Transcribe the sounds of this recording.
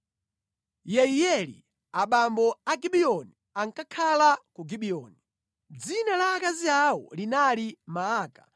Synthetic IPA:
jɛijɛlḭ | aɓambɔaɡiɓiɔni | aŋkakʰalakuɡiɓiɔni | d͡zinalaːkaziawɔ̰linalimaːka

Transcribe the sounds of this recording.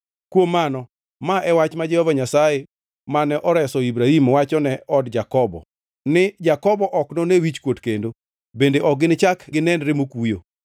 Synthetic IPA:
kwomːanɔ | maʔɛwat͡ʃmad͡ʒɛhɔvaɲasaje | manɛʔɔɾɛsɔibɾahimwat͡ʃɔnɛɔdd͡ʒakɔbɔ̰ | nɪd͡ʒakɔbɔʔɔknonewit͡ʃkwotkendo | bendeʔɔɡɪnɪt͡ʃakɡɪnɛnɾemokujo̰

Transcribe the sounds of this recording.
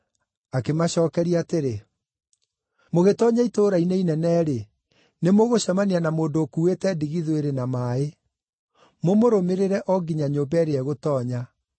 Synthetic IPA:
akemaɕɔːkɛɾiateɾe | moɣetɔɲaitoːɾaineinɛnɛːɾe | nemoɣoɕamaneanamoːndoːkuetɛdiɣiðweɾenamaːe | momoɾomeɾeɾɛʔɔɡiɲaɲoːmbɛɾeɛɣotɔːɲa

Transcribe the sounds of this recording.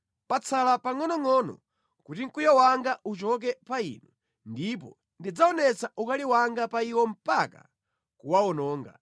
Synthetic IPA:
pat͡sʰalapaŋɔnɔŋɔnɔ̰ | kutiŋ̩kujawaŋɡaʔut͡ʃɔk̬ɛpaḭnu | ndipɔ̰ | ndid͡zaɔnɛt͡saʔukaliwaŋɡapaiwɔm̩paka̰ | kuwaɔnɔːŋɡa̰

